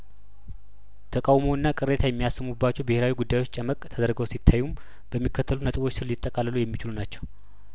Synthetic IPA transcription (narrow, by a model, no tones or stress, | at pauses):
t̪ʰəkʼawmoɨnːakʼɨɾet̪ʰajɛmːijasːɨmubːat͡ʃːɛwbɪheɾawiɡud̪ːajwo̞t͡ʃːt͡ʃʼəməkʼt̪ʰəd̪əɾɡəwsit̪ʰːajːum | bəmːikʰːət̪ʰːəlunət̪ʼɨβo̞t͡ʃːsɨlːit̪ʼːəkʼalːəlujɛmːit͡ʃɪlunat͡ʃːɛw